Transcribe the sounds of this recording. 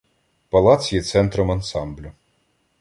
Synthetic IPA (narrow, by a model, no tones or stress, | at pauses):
pɐlˠɑt̪sʲjɛt̪sɛnt̪ɾɔmɐnsɑmblʲʊ